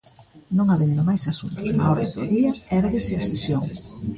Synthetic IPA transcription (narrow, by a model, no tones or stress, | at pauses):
nõŋaβend̪ʊmajsasunt̪ʊ̥sa̰ɔɾðend̪oðiɐɛɾaðeseɐsesjoŋ